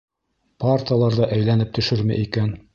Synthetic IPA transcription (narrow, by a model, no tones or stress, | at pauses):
part̪ʲiɑlˠɑɾðɑʔæjlænɘp̚t̪ɵ̆ʃɵɾmɘ̰ʔikæn